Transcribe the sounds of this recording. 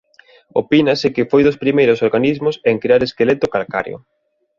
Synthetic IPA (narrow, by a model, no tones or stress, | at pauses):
o̰pinasɪkɪfojðʊspɾimejɾʊsoɾɣanizmʊseŋkɾeaɾeskelet̪ʊkalka̰ɾjo̰